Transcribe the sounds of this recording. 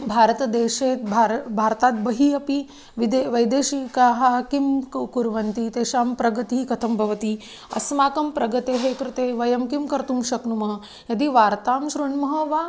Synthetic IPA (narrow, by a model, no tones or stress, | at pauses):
bʱaːɾɐt̪ɐd̪eːʃeːt̪bʱɾbʱaːɾt̪aːt̪̚bɐɦiɐpi | ʋid̪eʋɐjd̪eːʃikaːɦɐkimkuɾʋɐnt̪it̪eːʃaːmpɾɐɡɐt̪ikɐt̪ʰɐmbʱɐʋɐt̪i | ɐ̰smaːkɐmpɾɐɡɐt̪eːɦeːkɾut̪eːʋɐjɐmkimkɐɾt̪umʃɐknumɐɦɐ̆ | jɐd̪iʋaːɾt̪aːmʃɾuɳmɐɦɐ̆ʋaː